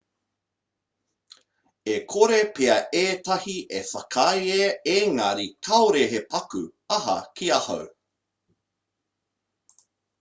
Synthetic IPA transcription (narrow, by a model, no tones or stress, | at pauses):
ekʰoɾepeɐʔeːtɐhiʔefɐkʰɐjeeːŋɐɾikʰɐwɾeɦepɐkʉ̰ɐɦɐ̰kʰiɐhɐ̰w